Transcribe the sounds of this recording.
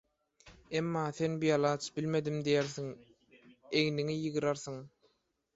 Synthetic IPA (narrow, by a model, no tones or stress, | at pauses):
emːɑːθe̞nbijɑlˠɑːt͡ʃʰbilme̞d̪imd̪ijeɾθiŋ | eɣniŋijɯɣɯɾɑɾθɯŋ